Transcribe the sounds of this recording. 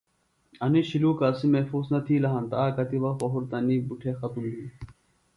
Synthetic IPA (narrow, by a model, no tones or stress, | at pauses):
ɐniɕiluːkaːsimefuːznɐt̪ʰiːlɐɦɐnt̪aaːkɐt̪iʋɐwɐɦuɾt̪ɐnibuʈʰeːxɐt̪umliː